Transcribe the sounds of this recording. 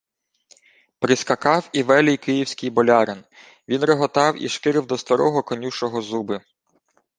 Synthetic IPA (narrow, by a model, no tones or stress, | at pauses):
pɾɪskɐkɑwiʋɛlʲɪjkɪjiwsʲkɪjbɔlʲɑɾɪn | ʋʲinɾeɦɔt̪ɑwḭʃkɪɾɪwd̪ɔst̪ɐɾɔɦɔkɔnʲuʃɔɦɔzubɪ